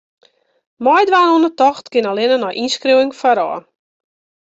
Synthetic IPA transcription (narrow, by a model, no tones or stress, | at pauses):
mɔjdʋaːnɔnətɔχtkɪnalɪnənɔjʔinskriwɪŋfaɾɔ̰ː